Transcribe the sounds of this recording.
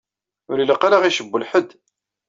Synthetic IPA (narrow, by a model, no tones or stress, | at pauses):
ʊɾiləqːaɾaʁiʃəbːʊlħəd̪